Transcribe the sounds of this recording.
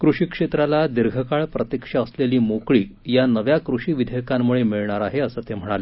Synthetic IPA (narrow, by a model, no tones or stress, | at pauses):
kɾuʂiːkʂet̪ɾalad̪iɾɡʱəkaɭpɾət̪jikʂaəsleliːmokɭiːjanəʋjakɾuʂiːʋid̪ʱjkãmːuɭemiɭɳaɾaɦeəsət̪em̤əɽ̃ale